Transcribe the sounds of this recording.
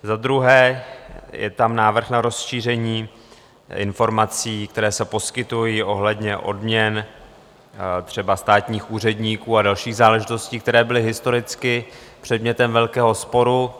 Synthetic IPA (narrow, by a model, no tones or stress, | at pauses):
zad̪ɾuɦɛː | jɛ̰t̪amnaːvr̩xnaɾo̞sʃiːr̝ɛɲiː | ɪ̰nfo̞ɾmat͡siːk̚t̪ɛɾɛːsɛpo̞skɪt̪ujiːʔo̞ɦlɛdɲɛʔo̞̰dmɲɛn | t̪r̝̥ɛbast̪aːt̪ɲiːxʔuːr̝ɛdɲiːkuːadalʃiːɣzaːlɛʒɪt̪o̞sciːk̚t̪ɛɾɛːbɪlɪɦɪst̪o̞ɾɪt͡skɪpr̝̥ɛdmɲɛt̪ɛmvɛlkɛːɦo̞spo̞ɾu